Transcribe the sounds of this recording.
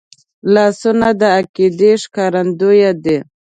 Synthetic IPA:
lɑsʊnad̪əakid̪eʂkɑɾand̪ujad̪e

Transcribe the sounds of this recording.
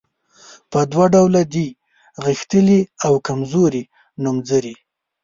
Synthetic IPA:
pəd̪waɖawlad̪i | ɣixt̪əliawkamzoɾi | numzəɾi

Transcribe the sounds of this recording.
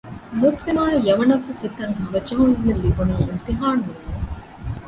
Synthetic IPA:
muslimaːjɐʋɐnɐfːusit̪ːɐŋkɐʋɐt͡ʃɐɦunːiʋilːibunaːḭnt̪iɦaːnu

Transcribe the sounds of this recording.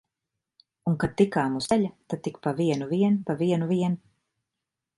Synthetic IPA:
uŋkad̪̚t̪ikaːmusɛʎʲat̪ad̪̚t̪ikpaviɛnuviɛnpaviɛnuviɛnu

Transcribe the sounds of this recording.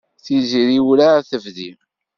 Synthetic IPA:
θiziɾiwlaθəvði

